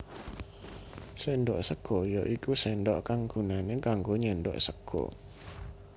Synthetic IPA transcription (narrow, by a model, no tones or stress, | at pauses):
sendɔʔsəɡ̥ɔjɔʔikusɛndɔʔkaŋɡ̥unanekaŋɡoɲɛndɔ̰ʔsəkʰɔ̰